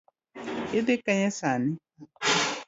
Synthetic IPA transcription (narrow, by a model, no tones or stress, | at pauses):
edekaɲɛsani